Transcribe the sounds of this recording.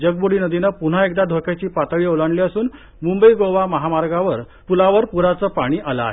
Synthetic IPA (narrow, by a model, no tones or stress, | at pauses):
d͡ʑəɡ̚boɽiːnəd̪inəpuɳ̤aek̚d̪ad̪ʱokat͡ɕiːpat̪əɭiːolaɳliːəsuːn | mumbəiɡoʋaməɦamaɾɡaʋəɾ | pulaʋəɾpuɾat͡səːpaɽ̃iːʔaləa̰ɦe